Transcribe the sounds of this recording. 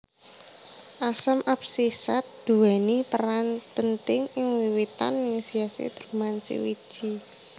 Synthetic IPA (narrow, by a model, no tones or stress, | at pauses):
ʔasəmʔap̚sisat̪̚d̪̥ṳwɛnipəɾanpənt̪ɪŋɪŋwiwit̪a̰ninisiasḛd̪̥ɾumansḭwid̥ʒ̥i